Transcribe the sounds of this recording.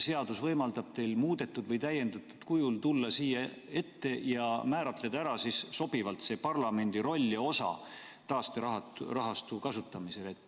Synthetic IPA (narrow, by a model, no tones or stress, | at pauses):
se̞ɑd̪̥usvɤjmɑld̪ɑb̥t̪e̞jlmuːd̪̥e̞t̪ːˑud̪vɤjt̪æjːe̞nd̪ut̪ːˑud̪̥kujult̪ulːɑsiːjɑ | e̞t̪ːe̞jɑmæːɾɑt̪le̞d̪̥ɑæɾɑsisso̞b̥ivɑlt̪se̞ːpɑrlɑme̞nʲd̪̥iɾo̞lʲːjɑo̞sɑ̰ | t̪ɑːst̪eɑɦɑrɑɦɑst̪ukɑsut̪ːˑɑmise̞let̪ː